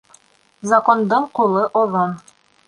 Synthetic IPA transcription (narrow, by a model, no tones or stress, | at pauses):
zɐkond̪ɤɴqulˠɤʔoðon